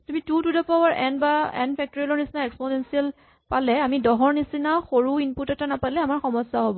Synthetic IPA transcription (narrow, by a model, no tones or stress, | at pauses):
tumitutudɔpawaɹʔɛ̰nbaɛ̰npʰɛk̚tɔɹilɔɹnisinaɛkspɔnɛnsiɛl | palɛamidɔɦɔɹnisinaxoɹuinputɔtanapalɛamaɹxɔmɔsːaɦɔbɔ